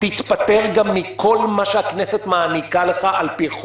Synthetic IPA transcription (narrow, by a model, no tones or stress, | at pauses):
t̪it̪pat̪e̞ʁɡamːikʰo̞lmaʃehakne̞set̪maːnikale̞χaʔalpiχ